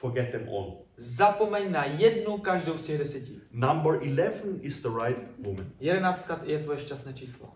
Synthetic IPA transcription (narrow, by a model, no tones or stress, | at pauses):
fɔɡɛt̪̚ðɛ̃mʔɔ̰̃n | zapomɛɲnajɛdnukaʒdowscɛɣdɛsjɛcinãmbə˞ʔilɛvə̃nɪzðəɹaɪt̚wʊmə̃njɛdɛnaːt͡st̪̚kat̪jɛt̪vojɛʃcast̪nɛːt͡ʃiːslo̰